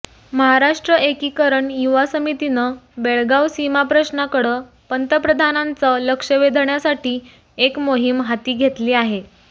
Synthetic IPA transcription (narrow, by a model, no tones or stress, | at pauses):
məɦaɾaʂʈɾəʔekiːkəɾəɳjuʋasəmit̪inəbeɭɡawsimapɾəɕnakəɽəː | pənt̪əpɾəd̪ʱanãnt͡sələkʂəʋed̪ʱɳjasaʈiː | ekmoɦimɦat̪iːɡʱet̪liːaɦe